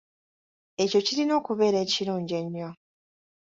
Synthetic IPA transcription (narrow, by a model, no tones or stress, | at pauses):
e̞co̞ciɾino̞ːkuβe̞ːɾe̞ːciɾuːɲɟe̞ɲːo